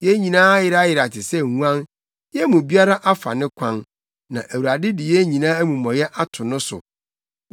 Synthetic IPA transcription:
jɛ˦ɲĩ˨nãː˦jɪ˨ɾa˦jɪ˨ɾa˨tʰɪ˨sɛ˦˨hũ˦ã˦n | jɛ˦mũ˨bi˦a˦ɾa˦ʔa˦fa̰˨nɪ̃˦kʷʰã˦n | nã̰˨ʔæ˨wu˨a˨dɪ˦dɪ˨jɛ˦ɲĩ˨nãː˦æ˦mũ˨mɔ̃˨jɛ˦ʔa˦tʰʊ˨nʊ̃˦sʊ̰˨

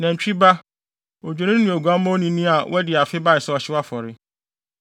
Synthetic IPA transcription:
nã˨ɲ̩˨t͡ɕᶣi˦ba˦ | o˨d͡ʑᶣo˨nĩ˦nũ˨o˨ɡu˨a˦mã˦o˦nĩ˦nĩ˦a˨wʔɛ˦dɪ˨a˨fɪ˦ba˦ɪ˨sɛ˦ɔ˨ɕɪ˦wa˦fɔ˨ɾɪ˦

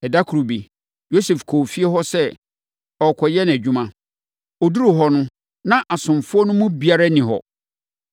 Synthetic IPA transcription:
ɛ˨da˦kʰu˨ɾu˨bi˨ | jo˦sɛ˨fkʰo˨fi˦e˦ɦɔ˦sɛ˦ | ɔ˨kʰɔ˨jɛ˦n˨æ˨d͡ʑᶣũ˦mã˨ | ɔ˨du˦ɾu˨ɦɔ˨nʊ̃˦ | nã˦ʔa˨sʊ̃˨mfʊ˦ɔ˦nʊ̃˦mʊ̃˦bi˨a˦ɾa˦nĩ˨ɦɔ̰˨

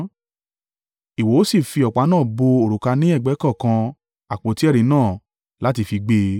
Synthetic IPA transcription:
i˨wo˨˦o˦si˦˨fi˧ɔ˨k͡pa˨˦nãː˦˨bo˧o˨ɾu˨ka˧nĩ˦ɛ˦˨ɡ͡bɛ˨˦kɔ̃˦˨kã˧ | a˨k͡po˨˦ti˦ɛ˦˨ɾĩ˨˧˦nãː˦˨ | la˦ti˧fi˧ɡ͡be˧

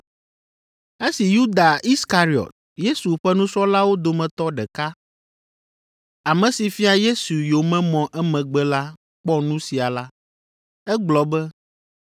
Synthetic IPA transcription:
e˦si˨ju˦d̪a˨i˦ska˨ɾi˨ɔ̰˨t̪̚ | je˦su˨ɸɛ˦nũ˦sɔ˦la˦wo˦d̪o˨mɛ̃˨t̪ɔ˦ɖɛ˨ka˦ | a˨mɛ̃˨si˨fi˦a˨je˦su˨jo˨mɛ̃˦mɔ̃˨ʔɛ˦mɛ̃˨ɡ͡bɛ˦la˦ | k͡pɔ˦nũ˦si˨a˨la˦ | ɛ˦ɡ͡blɔ˨bɛ˦

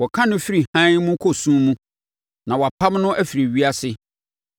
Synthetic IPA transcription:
wɔ˨kʰã˦nʊ̃˦fi˦ɾi˨hã˦mũ˦kʰɔ˨sũ˦mũ˦ | nã˨wɔ˨a˨pʰa˦mnʊ̃˦ʔæ˦fi˨ɾi˨ɥi˦a˦sɪ˦

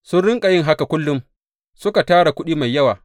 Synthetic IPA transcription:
sʊ˦nɽɪ˦ŋkʼa˨jɪ˦ŋɦa˦ka˨kʷʊ˦lːʊ˦m | sʊ˦ka˨taː˦ɽa˨kʷʊ˦ɗiː˦ma˨jːɐ˦waː˨

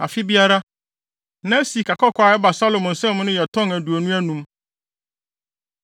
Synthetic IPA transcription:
a̰˨fɪ˦bi˦a˦ɾa˦ | nã˦si˨kʰa˨kʰɔ˦kʰɔ˨˦a˨ɛ˦ba˨sa˦lo˨m̃˨n̩˨sɛ̃˦m˦nʊ̃˦jɛ˨tʰɔ̃˦ŋæ˨du˨o˨nũ˦æ˦nũ˦m

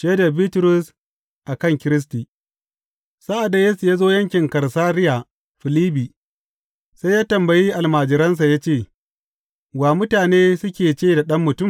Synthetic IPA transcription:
ʃeː˦da˨biː˦tʊ˦ɾʊ˦s | ʔa˨kɐ˦˨ŋkʲɪ˦ɾɪ˦s̬ti˨ | sa˦ʔa˨da˨je˦su˨jaː˦zoː˦jɐ˦ŋkʲɪ˨ŋkɐ˨ɾsaː˦ɾɪ˦ja˨ | ɸɪ˨liː˦biː˨ | sa˦jaː˦tɐ˨mbɐ˨jiː˦ʔa˨lmaː˨d͡ʒɪ˨ɾɐ˦ns̬a˨jaː˦t͡ʃeː˦˨ | waː˨mʊ˦taː˨neː˦sʊ˦kʲeː˨t͡ʃeː˦˨da˨ɗɐ˦mːʊ˨tʊ˦˨m

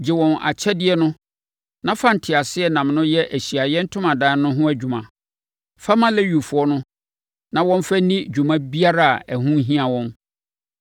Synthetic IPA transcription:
d͡ʑɪ˨wɔ̃˨na̰˨t͡ɕʰɛ˦dɪ˦ɛ˦nʊ̃˦ | nã˦fã˦n̩˨tʰɪ˨a˨sɪ˦ɛ˨nã˨mnʊ̃˦jɛ˦ʔæ˨ɕi˨a˨jɛ˦n̩˦tʰʊ̃˦mã˨dãː˦nʊ̃˦ɦʊ̃˦æ˦d͡ʑᶣu˨mã˨ | fa˦mã˦lɛ˦ɥu˨fʊ˨ɔ˦nʊ̃˦ | nã˨wɔ̃˦n˦fæ˦nĩ˦d͡ʑᶣu˨mã˦bi˦a˦ɾa˦a˨æ˨ɦũ˦ɦĩ˦a˨wɔ̃˦n

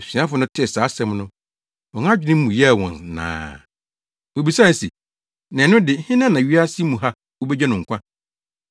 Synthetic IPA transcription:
sĩ˨˦ã˦fʊ˨˦nʊ̃˦tʰɪ˦˨saː˨˦sɛ̃˦mnʊ̃˦ | ɔ̃˨ŋ˦ã˦d͡ʑᶣɪ˦nɪ̃˦mũ˨jɛ˦a˨wɔ̃˨nːã̰ː˨ | wo˨bi˨sa˦˨sḭ˨ | nã˨nʊ̃˦dɪ˨˦hɪ̃˦nã˦nã˨ɥi˦a˦si˦mũ˨ɦa˦ | wo˦be˦d͡ʑa˦nʊ̃˨ŋ̩˨kʷã˦

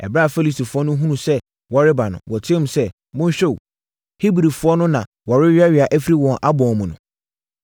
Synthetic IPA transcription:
ɛ̰˨bɾa˦˨fe˦li˦sti˨fʊ˨˦ɔ˦nʊ̃˦ɦũ˦nũ˨sɛ˦ | wɔ˨ɾɪ˦ba˨nʊ̰̃˨wɔ˨tʰɪ˦ɛ̃˦m̩˨sɛ˦ | mʊ̃˦ɲ̩˦ɕᶣɛ˦˨ | hi˦bɾi˨fʊ˦ɔ˦nʊ̃˦nã˨ | wɔ˨ɾɪ˦ɥa˦ɥi˨a˨ʔæ˦fi˦ɾi˦wɔ̃˨nʔa˦bɔ̃˨mʊ̃˨nʊ̰̃˨

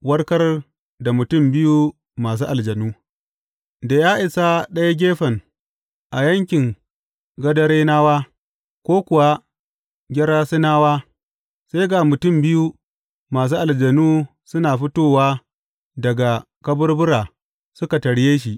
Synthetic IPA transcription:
wɐ˦rkɐ˦r | da˨mʊ˨tʊ˦˨mbɪ˦ju˦ | maː˨s̬uː˦ʔa˨ld͡ʒɐ˨nuː˦ | da˨jaː˦ʔɪ˨sa˦ɗɐ˦ja˦ɡʲeː˦ɸɐ˨ŋ | ʔa˨jɐ˦ŋkʲɪ˨ŋ | ɡɐ˦dɐ˦ɽeː˦naː˦waː˦ | kʷoː˦kʷʊ˨wa˦ | ɡʲɐ˦ɾaː˦si˦naː˦waː˦ | sa˦jɡa˨mʊ˨tʊ˦˨mbɪ˦ju˦ | maː˨s̬uː˦ʔa˨ld͡ʒɐ˨nuː˦ | sʊ˦naː˨ɸɪ˦toː˦waː˦ | dɐ˨ɡa˨ | kɐ˦bʊ˦rbʊ˦ɾaː˨ | sʊ˦ka˨tɐ˨ɽjeː˦ʃ̬i˨ʔ

